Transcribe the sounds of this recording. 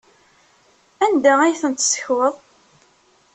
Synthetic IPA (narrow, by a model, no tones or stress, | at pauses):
ænd̪ææjθənt̪sə̥çwəðˤ